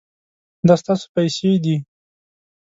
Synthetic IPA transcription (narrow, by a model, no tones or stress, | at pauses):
d̪ɑst̪ɑso̥pajsed̪i